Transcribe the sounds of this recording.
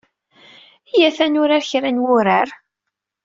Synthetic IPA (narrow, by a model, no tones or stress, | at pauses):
ijæθænʊɾaɾçɾænwʊɾaɾ